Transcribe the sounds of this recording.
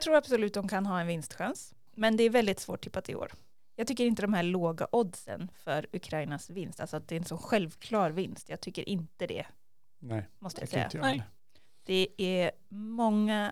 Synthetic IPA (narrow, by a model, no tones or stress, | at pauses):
t̪ʰɾuːɾab̥sɔlʉ̟t̪̚d̪ɔmkʰanɦɑːɛnvɪnst̪ɧans | mɛnd̪ɛæɾvɛld̪ɪt̪svoːʈʰːɪpːat̪ʰɪ̰o̰ːɾ | jɑɡt̪ʏkːəɾɪnt̪əd̪ɔmhæːɭoːɡa̰ʔɔd̪sə̰nfœɾɵkʰɾajɪnasvɪnst̪alsɔat̪̚d̪ɛɛɾɛnsɔnɧɛlvkʰlɑːɾvɪnst̪jɑːɡ̚t̪ʰʏkːəɾʔɪnt̪əd̪ɛ̰ | mɔst̪əja̰sɛ̰jːa̰ | d̪̥ɛæ | mɔŋːa